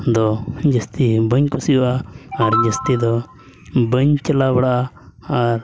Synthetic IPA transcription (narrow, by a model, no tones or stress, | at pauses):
d̪ɔd͡ʒəst̪ibəɲkusijɔʔaːɾd͡ʒəst̪id̪ɔ | bəɲt͡ʃɛlabaɽaʔa | aɾ